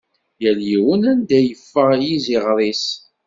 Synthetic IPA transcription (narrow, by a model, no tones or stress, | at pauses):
jæljiwənænd̪æjəfːəʁjiziʁɾˤis